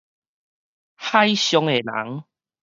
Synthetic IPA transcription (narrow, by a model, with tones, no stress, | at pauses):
ha˦jɕjɔ˧ŋe˨la̰˨˦ŋ